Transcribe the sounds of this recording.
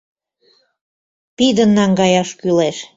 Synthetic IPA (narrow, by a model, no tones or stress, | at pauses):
pid̪ə̆nːɑŋɡɑjɑʃkyleʃ